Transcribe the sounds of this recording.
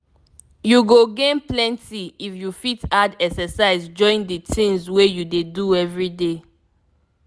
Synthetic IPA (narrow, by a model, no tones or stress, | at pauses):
juɡoɡẽnplɛ̃ntiifjufitadɛksɛsaɪzd͡ʒɔ̃ɪ̃nditʰĩŋswejudeduɛvɹide